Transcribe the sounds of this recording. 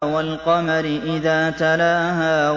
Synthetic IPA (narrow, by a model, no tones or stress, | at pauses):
walqɑmaɾɪʔɪðaːt̪alaːɦaː